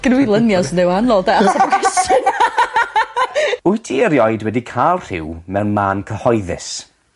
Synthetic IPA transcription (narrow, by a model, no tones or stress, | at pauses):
ɡ̥nwɪlˠənjɔsnɪwanlˠɔdaasakʰɛstɪn | ʊjtʰiəɾjɔjdwɛdikʰalˠr̥ɪ̰wmɛwnmaːnkʰəhɔjðɪ̰s